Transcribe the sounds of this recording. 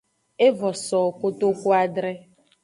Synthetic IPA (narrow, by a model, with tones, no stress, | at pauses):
e˦vɔ˨sɔː˨ko˦t̪o˦ko˦a˦dɾɛ˦